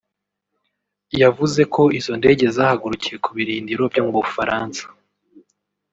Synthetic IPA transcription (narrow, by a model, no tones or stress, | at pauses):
javuze̞kʰo̞izo̞nde̞ːɟe̞zaːhaɡuɾucije̞kuβiɾiːndiɾo̞bjomuβufaɾaːnsḁ